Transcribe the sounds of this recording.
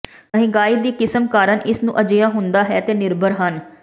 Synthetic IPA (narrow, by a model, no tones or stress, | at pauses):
əɦĩːɡaːiːd̪iːkɪsəmkaːɾəɳʔɪsnṵ̃ːʔəd͡ʒɪjaːɦʊnd̪aːɦɛːt̪eːnɪɾbʱəɾɦən